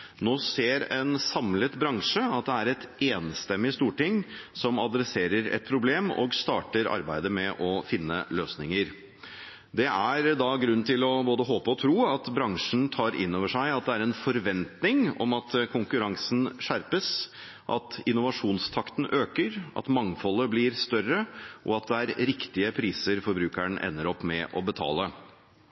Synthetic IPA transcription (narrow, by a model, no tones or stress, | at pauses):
noːseːɾɛnsɑmlət̪bɾɑŋʂəɑt̪d̪ɛæɾɛt̪eːnst̪ɛmːɪst̪uːʈɪŋsɔmɑd̪ɾɛseːɾəɾɛ̰t̪̚pʰɾʊbleːmɔ̰ːɡst̪ɑ̰ːʈəɾʔɑ̰ɾbæɪd̪əmɛʔɔfɪnːə̰løːsnɪŋəɾ | d̪ɛʔæɾd̪ɑɡɾʉn̩ːt̪ʰɪlɔboːd̪əɦoːpəɔt̪ʰɾuːɑt̪bɾɑŋʂɳ̩t̪ʰɑːɾɪ̰nːoːʋəʂæɪɑt̪̚d̪ɛæɾɛnfɔɾʋɛnt̪nɪŋɔ̰mɑt̪kʰʊŋkʉɾɑŋsn̩ʂæɾpəs | ʔɑ̰t̪ɪnʊʋɑʂuːnst̪ʰɑkt̪n̩ʔøːkəɾʔɑ̰t̪mɑŋːfɔlːəblɪɾst̪œrəʔɔ̰ɑt̪̚d̪ɛæɾɾɪkt̪ɪəpʰɾiːsəɾfɔɾbɾʉːkəɳʔɛ̰nːəɾɔpːmɛʔɔbət̪ʰɑ̰ːlə